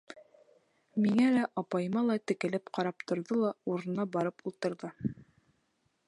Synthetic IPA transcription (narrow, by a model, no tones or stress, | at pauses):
miŋælæʔɑpɑjɤ̆mɑlˠɑt̪ɘ̆kɘ̆lɘpqɑɾɑp̚t̪ŏɾðɤlˠɑuɾɤ̆nɑbɑɾɤpulˠt̪ɤ̆ɾðɤ